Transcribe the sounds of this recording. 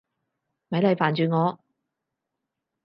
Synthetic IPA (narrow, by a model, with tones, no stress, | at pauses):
mɐ˨˥jlɐ˨˧jfaː˨˩nt͡ʃyː˨˧ŋɔː˨˧